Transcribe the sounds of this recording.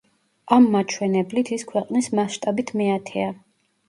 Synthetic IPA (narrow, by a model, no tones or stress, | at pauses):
amːat͡ʃʰwɛnɛblit̪ʰiskʰwɛqʼnismaʃt̪ʼabit̪ʰmiat̪ʰɛa